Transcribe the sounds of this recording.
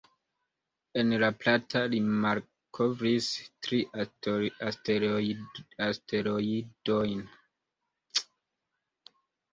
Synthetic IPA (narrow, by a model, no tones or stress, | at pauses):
e̞nlaplatʰalimal | kʰovɾistɾi | aste | aste̞ɾoidojn